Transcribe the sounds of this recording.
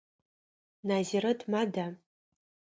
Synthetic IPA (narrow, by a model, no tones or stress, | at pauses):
naziɾɨdʰmada